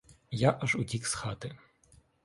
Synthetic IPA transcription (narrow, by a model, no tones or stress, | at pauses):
jaʔɐʒʊdʲiksxɑt̪ɪ